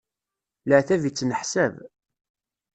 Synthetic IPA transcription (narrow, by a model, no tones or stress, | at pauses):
ləʕθævit͡sːnəħsæv